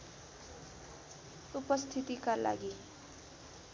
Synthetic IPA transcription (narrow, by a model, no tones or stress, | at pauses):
upʌst̪ʰit̪ikala̰ɡi